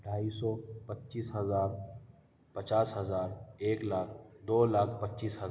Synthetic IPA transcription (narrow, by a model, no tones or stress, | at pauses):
ɖʱaːiːsɔːpətːt͡ʃiːsɦəzaːɾ | pət͡ʃaːsɦəzaːɾeːklaːkʰd̪oːlaːkʰpətːt͡ʃiːsɦə